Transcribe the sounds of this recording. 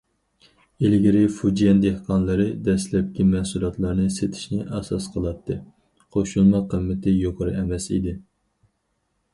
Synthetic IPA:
elɡʲɪɾɪfud͡ʒijɛnd̪ehqɑnlˠɨɾɨd̪ɛslɛp̚kʲimɛhsulˠɑt̪lˠɑɾnɨset̪ʰɪ̥ʃnɪʔɛsɑsqʰəlˠɑt̪ʰːɨ | qʰoʃulˠmɑqʰəmːɪt̪ʰɪjoqʰəɾɨɛmɛsḭd̪ɪ

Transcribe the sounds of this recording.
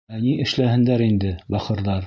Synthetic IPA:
æniʔɘ̆ʃlæhɘ̆nd̪æɾind̪ɘbɑqɤ̆ɾðɑɾ

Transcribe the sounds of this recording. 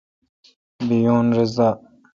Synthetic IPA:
bijoːnɾɪzaː

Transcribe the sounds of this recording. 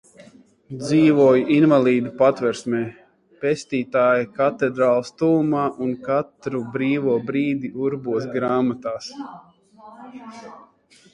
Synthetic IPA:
d̪ziːvuɔjuʔinvalˠiːd̪upat̪vɛɾsmɛː | pest̪iːt̪aːjakat̪ɛd̪ɾaːlˠst̪uːumaːʔunkat̪ɾubɾiːvuɔbɾiːd̪iʔuɾbuɔs̬ɡɾaːmat̪aːs

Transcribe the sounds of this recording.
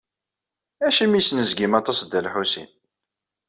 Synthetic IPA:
æʃimisnəzɡimɑt̪ˤɑsd̪ːælħusḭn

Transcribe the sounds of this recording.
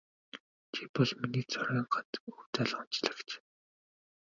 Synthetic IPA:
t͡ɕʰipɔɮminiːt͡sʰɔɾʲiːɴɢant̪uwt͡saɮə̆χʊnt͡ɕɮə̆kt͡ɕ

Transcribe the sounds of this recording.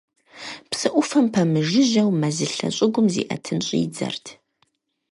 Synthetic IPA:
psɨʔʷʊfɐmpʰɐmɨʒɪʑɐwmɐzɨɬɐ̰ɕʼɪɡʷʊmzḭːʔɐtʰɨnɕʼiːd͡zɐ̰rtʰ

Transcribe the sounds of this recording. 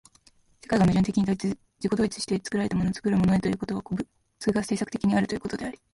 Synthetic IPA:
se̞kaiɡamɯ̟ʑɨ̃nt̪e̞kʲiɲ̟it̪ | d͡ʑiko̞d̪o̞ːɾit͡sɨ̥ɕi̥t̪e̞t͡sɨ̥kɯɾaɾe̞t̪amo̞noːt͡sɨ̥kɯ̟ɾɯ̟mo̞no̞et̪o̞jɯ̟ːko̞t̪o̞βa | t͡sɨɯɡase̞ːsakɯ̟̥t̪e̞kʲiɲ̟iaɾɯ̟t̪o̞jɯ̟kot̪o̞d̪e̞aɾʲi̥

